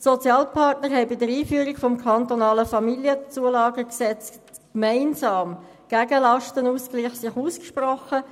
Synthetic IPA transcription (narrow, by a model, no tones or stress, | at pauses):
sɔt͡sjɑːlpʰɑrtnəɾɦɛɪbɪdəɾiːfyːɾikfɔmkʰɑnt̪ɔnɑːləfɑmiljət͡suəlɑːɡəksɛt͡st | kmaɪnsɑːm | ɡ̥æɡəlɑʃtənuːskliχsɪχuːskʃprɔχə